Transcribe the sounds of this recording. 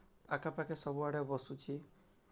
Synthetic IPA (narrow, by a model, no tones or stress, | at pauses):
akʰapakesɔbuaɽebɔsut͡ʃʰi